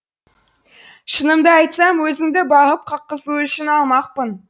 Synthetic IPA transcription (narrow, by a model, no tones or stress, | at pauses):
ʃənəmd̪əɑjt̪sɑmwɵzɪŋd̪ɪbɑʁəp̚qʰɑqːəsuʏʃɪnɑlˠmɑq̚pən